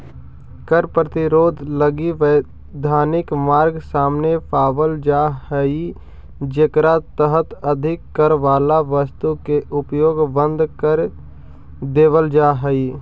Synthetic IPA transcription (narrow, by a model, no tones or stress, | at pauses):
kəɾpɾət̪ɪɾoːd̪ʱləɡiʋə | d̪ʱaːnɪkmaːɾɡsaːmnepʰaːʋəld͡ʒaːɦəi | d͡ʒekɾat̪əɦət̪əd̪ʱɪkːəɾʋaːlaʋəst̪ukeʔʊpjoːɡbə̃nd̪ʱkəɾ | d̪eːʋəld͡ʒaːɦəiː